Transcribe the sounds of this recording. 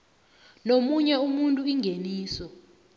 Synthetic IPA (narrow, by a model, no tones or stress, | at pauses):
nomuɲɛumuntʼuiŋʱeniːsɔ